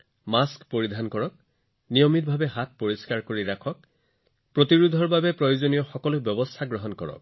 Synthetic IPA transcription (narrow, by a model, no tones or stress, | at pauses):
maskpoɹidʱankɔɹɔk̚ | nijɔmit̚bʱabɛɦat̚poɹiskaɹkoɹiɹakʰɔk̚ | pɹotiɹud̪ʱɔɹbabɛpɹojozonijɔxɔkɔlʊbjɔbɔst̪ʰaɡɹɔɦɔnkɔ̰ɹɔ̰k̚